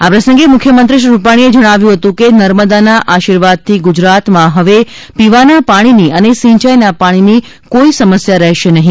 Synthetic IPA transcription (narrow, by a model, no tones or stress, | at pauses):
apɾəsəŋɡemʊkʰjəmənt̪ɾɪʃ̬ɾupaɽ̃ied͡ʒəɽ̃aʋjũɦət̪ũkenəɾməd̪anaʔaʃiɾʋad̪̚t̪ʰiɡud͡ʒɾat̪mãɦəʋe | piʋanapaɽ̃iniʔənesĩɲt͡ʃajnapaɽ̃ini | koisəməsjaɾɛɦʃenəɦĩ